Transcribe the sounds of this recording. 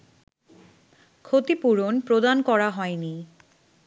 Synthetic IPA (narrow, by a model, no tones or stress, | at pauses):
kʰot̪ipuɾonpɾod̪ankɔɾaɦɔeni